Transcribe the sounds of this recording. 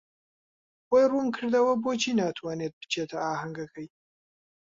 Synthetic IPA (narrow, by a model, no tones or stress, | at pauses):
wojɾumkʰɨɾd̪ɐwɐbot͡ʃʰinat̪ʰwaːnet̪̚bə̥t͡ʃʰet̪ʰɐaːɦɐŋɡɐkʰəj